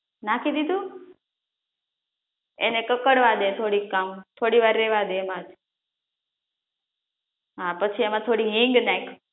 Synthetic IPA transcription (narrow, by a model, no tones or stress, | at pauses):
nãkʰid̪id̪ũ | ḛnekəkəɽʋad̪et̪ʰoɽikːamt̪ʰoɽiʋaɾːɛʋad̪eːmãd͡ʒ | ɦapət͡ʃʰiemãt̪ʰoɽiɦĩŋɡnaik